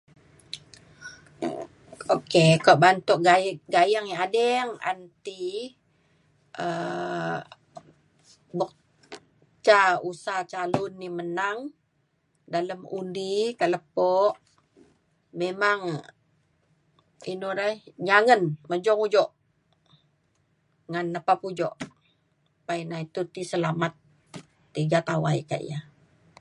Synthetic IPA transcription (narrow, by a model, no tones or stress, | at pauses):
okekaʔbant̪ɔʔɡaɡajaŋaadɛŋa̰nt̪i | ʔə | bək̚ | t͡ʃausat͡ʃalʊnːimənaŋ | daləmṵndikaʔləpɔʔ | memaŋ | inuɾahɲaŋənməd͡ʒɔŋud͡ʒɔʔ | ŋanːəpapud͡ʒɔʔ | painait̪ut̪isəlamat̪ː | iɡat̪awaḭka̰ʔḭja